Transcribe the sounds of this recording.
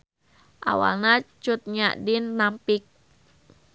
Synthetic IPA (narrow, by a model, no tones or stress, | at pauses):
ʔa̰wa̰lnat͡ʃut̪̚ɲaʔdinːampik̚